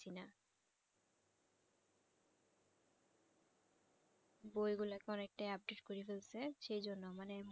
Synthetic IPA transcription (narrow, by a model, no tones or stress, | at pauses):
ina | bojɡulakeɔnek̚ʈajap̚ɖeʈkoɾifelsʰeʃejd͡ʑonːomanem